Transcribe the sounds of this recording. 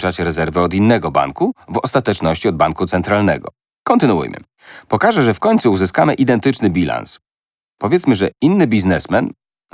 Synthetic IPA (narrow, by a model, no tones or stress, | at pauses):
t͡ʂat͡ɕɾɛzɛɾvɛɔd̪inːɛɡɔba̰ŋkuvɔ̰st̪at̪ɛt͡ʂnɔɕt͡ɕiɔd̪̚baŋkut̪sɛnt̪ɾalnɛ̰ɡɔ̰ | kɔnt̪ɘnuṵjmɘ̰ | pɔkaʐɛʐɛfkɔɲʲt̪suuzɘskamɘʔid̪ɛnt̪ɘt͡ʂnɘbʲila̰ns | pɔvʲɛt̪smɘʐɛinːɘbʲiznɛsmɛn